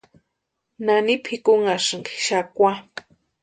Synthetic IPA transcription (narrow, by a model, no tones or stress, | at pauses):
nanipʰɪkʊŋaʂŋɡi̥ʃakwa